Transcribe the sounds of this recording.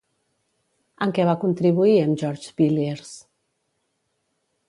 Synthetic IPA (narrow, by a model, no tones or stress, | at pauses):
əŋkɛβakunt̪ɾiβuiəmʒɔɾd͡ʒbileɾs